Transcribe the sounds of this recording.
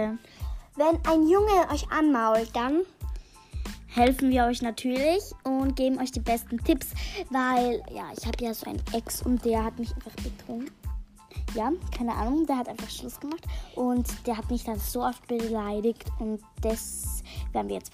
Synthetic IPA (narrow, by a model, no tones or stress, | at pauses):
vɛnʔaɪnjʊŋəʔɔʏçʔa̰nmaʊlt̚d̥an | hɛlfn̩viːɐɔʏçnatʰyːɐlɪçʔʊntɡ̥eːbm̩ʔɔʏçd̥iːbɛstn̩tʰɪpsvaɪlja̰ːʔɪ̰çhaːbəjaːzoːʔa̰ɪnʔɛksʊ̰nt̚d̥eːɐhatmɪçʔaɪnfaχb̥ətʁoː | jaːkʰaɪnəʔa̰ːnʊŋdeːɐhatʔaɪnfaχʃlʊsɡ̥əmaχtʔʊntd̥eːɐɦatmɪçd̥anz̥oːʔɔft̚b̥əlaɪɾɪktʊnt | d̥asveːɐdn̩viɐjɛt͡st